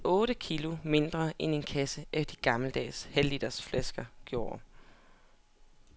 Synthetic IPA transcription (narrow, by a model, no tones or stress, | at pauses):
ʔɔ̽ːɾəkʰilo̝me̝nd̥ʁɐʔene̝nkʰæsəæfd̥iɡ̥ɑ̈ml̩əd̥ɛ̰ːshæld̥id̥ɐsflæsɡ̥ɐɡ̥jo̝ːɐ